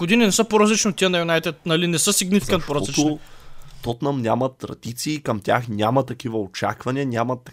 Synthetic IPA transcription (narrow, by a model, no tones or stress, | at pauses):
ɡ̥od̪ininɛsəpoɾɐzlit͡ʃnot̪ijənɐjunajt̪ɛt̪̚nɐlinɛsəsiɡnifkɐnpoɾɐzlit̪ | t̪ot̪nɐmnʲamɐt̪ːɾɐ̰d̪̥it̪siːkɐmt̪ʲa̰xnʲamɐt̪ɐkivɐot͡ʃa̰kvɐnʲiɐnʲamɐt̪